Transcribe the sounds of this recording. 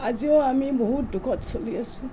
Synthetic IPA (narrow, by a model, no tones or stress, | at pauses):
aziɔamibɔɦut̚dukʰɔtsoliasu